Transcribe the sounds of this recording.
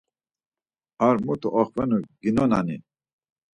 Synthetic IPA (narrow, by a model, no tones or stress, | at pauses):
aɾmut̪ʰuʔɔχpɛnuɡinɔnanḭ